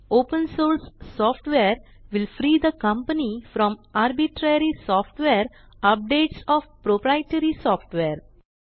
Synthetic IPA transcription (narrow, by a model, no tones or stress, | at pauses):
oːpə̃nsoːɾsːɔːfʈʋeəɾ | ʋɪlfɾiːd̪əkʌ̃mpənifɾɔ̃maɾbiʈɾeɾisɔːfʈʋeɾ | ap̚ɖeːʈsɔːʋpɾopɾaɪʈəɾisɔːfʈʋeɾ